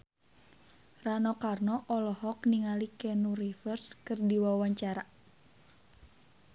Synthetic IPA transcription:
ranɔkarnɔʔɔlɔɦɔkniŋalikɛnuɾifərskɨrdiwawaɲt͡ʃaɾa

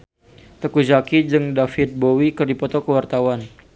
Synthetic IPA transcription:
t̪əkud͡ʒakid͡ʒɨŋdafɪt̪̚bowikɨrdipɔt̪ɔkəwart̪awan

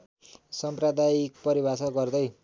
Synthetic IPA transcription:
sʌmprʌd̪ajik̚pʌɾibʱasʌɡʌrd̪ʌj

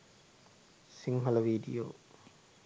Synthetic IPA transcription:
siŋɦɐlɐʋiːɖḭjo̰ː

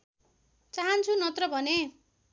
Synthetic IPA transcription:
t͡saɦʌnt͡sʰunʌt̪rʌbʱʌne

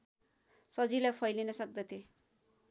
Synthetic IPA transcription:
sʌd͡zilajpʰʌjlinʌsʌk̚d̪ʌt̪ʰje

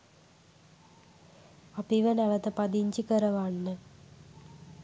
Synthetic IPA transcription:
ɐpiʋɐnɐʋɐt̪ɐpɐd̪iɲd͡ʑikɐɾɐʋaːɳnɨ

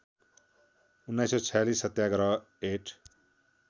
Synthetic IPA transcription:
unːajsɔt͡sʰjalisːʌt̪jaɡʌɾʌ | eʈʰ

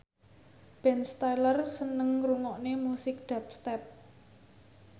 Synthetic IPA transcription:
b̥ɛnst̪ajlərsənəŋruŋɔʔnemusɪk̚d̪̥ä̤p̚st̪ɛp̚

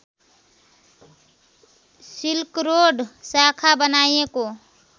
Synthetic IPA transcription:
silkɾoɖʱsakʰabənajeko

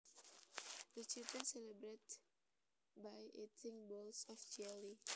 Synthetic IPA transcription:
dət͡ʃit̪ə̃nselebɾet | bajetʰɪ̃ŋbɔlsɔfd͡ʒɛli

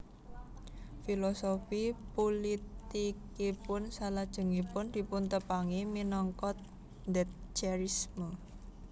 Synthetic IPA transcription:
filosofipolit̪ikipʊnsalad̥ʒ̥ə̤ŋipʊnd̪̥i̤punt̪əpaŋiminɔŋkɔt̪̚ | nd̪ɛt̪̚t͡ʃaɾismə

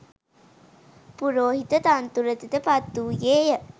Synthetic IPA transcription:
puɾoːɦit̪ət̪ant̪uɾət̪it̪əpat̪ːuːjeːjə

